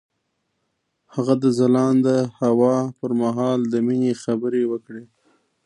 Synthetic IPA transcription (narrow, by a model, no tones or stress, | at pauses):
haɣad̪əzalɑnd̪əhawɑpəɾmaɦɑld̪əminexabəɾewəkɽe